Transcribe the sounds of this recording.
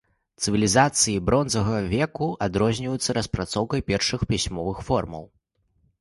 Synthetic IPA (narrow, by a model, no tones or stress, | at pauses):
t̪sɨvʲilʲizat̪sɨjibɾɔnzɐɣɐvʲɛkuad̪ɾɔzʲnʲivɐjut̪sːɐɾɐspɾat̪sɔwkɐjpʲɛrʂɨxpʲisʲmɔvɨxfɔrmɐ̰w